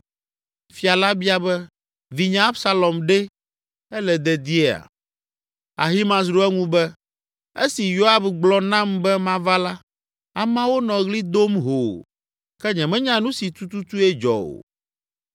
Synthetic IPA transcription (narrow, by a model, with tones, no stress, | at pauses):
fi˦a˨la˦bi˦a˨bɛ˦ | vi˨ɲã˦a˦bsa˦lɔ˨mɖɛ˦ | ɛ˦lɛ˨d̪ɛ˨d̪i˦ɛ˦a̰˨ | a̰˨ɦi˦mã˨zɾu˦ɛ˦ŋũ˦bɛ˦ | ḛ˦si˨jo˦a˦bɡ͡blɔ˦nã˦mbɛ˦mã˦va˦la˦ | a˨mã˦wo˦nɔ̃˨ɣli˦d̪o˦mɦo˨ | kɛ˦ɲɛ̃˨mɛ̃˦ɲã˦nũ˦si˨t̪u˦t̪u˦t̪u˦ɛ˦d͡ʒɔ̰˨o̰˨